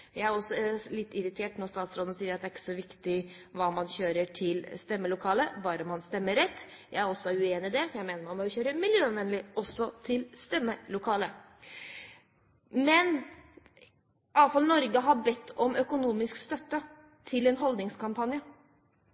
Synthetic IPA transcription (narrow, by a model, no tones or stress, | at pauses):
jæɪæɾɔsːɔlɪt̪ːɪɾɪt̪ʰeːʈnɔst̪ɑːt̪sɾoːd̪n̩siːəɾɑt̪d̪ɛæɾɪkːə̥sɔʋɪkt̪ɪʋɑːmɑnçøːɾəʈʰɪlst̪ɛmːəlʊkʰɑːləbɑːɾəmɑnst̪ɛmːəɾɛt̪ːjæɪæɾɔsːɔʉeːnɪd̪ɛjæɪmeːnəɾmɑmoçøːɾəmɪljøːnʋɛnlɪɔsːɔt̪ʰɪlst̪ɛmːəlʊkʰɑːlə | mɛn | ʔɑːʋfɑlnɔɾɡəɦɑbɛt̪ʰːɔmœkʊnuːmɪskst̪œt̪ːə | t̪ʰɪlɛnɦɔld̪nɪŋskʰɑmpʰɑnjə